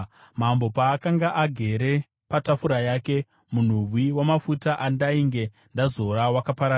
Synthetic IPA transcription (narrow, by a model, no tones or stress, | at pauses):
mambo̞paːkaŋɡaʔaɡʱe̞ɾe̞ | patafuɾajaːke̞ | mun̤urwiwamafutaʔandaiŋɡe̞ | ndazo̞ɾawakapaɾa